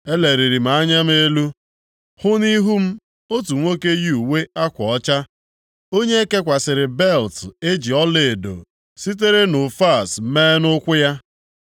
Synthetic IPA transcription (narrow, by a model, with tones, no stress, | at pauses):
e˦le˨ɾi˨ɾi˨m̩a˨˦ɲa˦m˦e˦lu˦ | hʊ˦ni˦ɦu˦m̩˦ | o˦tu˨ŋʷo˦ke˦ji˦u˨we˦a˦kʷɔ˨ɔ˦t͡ʃa˦ | o˦ɲe˦e˦ke˦kʷa˨sɪ˨ɾɪ˨be˦˨lte˦d͡ʒi˨ɔ˦le˨do̰˨ | si˦t̬e˦ɾe˦nʊ˨fa˦˨smeː˦nʊ˦kʷʊ˦ja˦